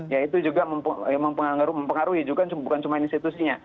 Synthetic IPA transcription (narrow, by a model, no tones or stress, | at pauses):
jait̪ud͡ʒuɡaməmpəməmpəŋaŋaɾuməmpəŋaɾuɦid͡ʒuɡat͡ʃubukant͡ʃumainst̪it̪usiɲa